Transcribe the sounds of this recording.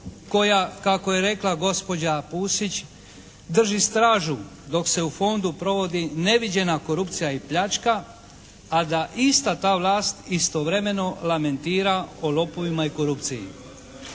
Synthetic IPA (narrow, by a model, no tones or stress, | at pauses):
ko̞jakako̞je̞ɾe̞klˠaɡo̞spo̞d͡ʑapuːsit͡ʃ | d̪r̩ʒist̪ɾaːʒu | d̪o̞kse̞ufo̞nd̪upɾo̞ʋo̞d̪ine̞ʋid͡ʑe̞nako̞ɾupt̪sijaipʎat͡ʃkaː | d̪aʔist̪at̪aːʋlaːst̪ist̪oʋɾe̞me̞no̞lame̞nt̪iːɾaolo̞po̞ʋimaiko̞ɾupt̪sijḭ